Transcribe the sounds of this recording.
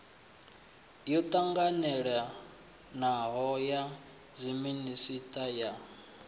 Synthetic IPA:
jɔt̪ʼaŋɡanɛɺa | naɦɔja | d͡ziminisitʼaja

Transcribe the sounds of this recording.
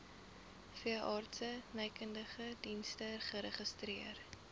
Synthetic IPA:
fiəʔɑːrtsənəjkəndəχədinstəχəɾəχəstɾiər

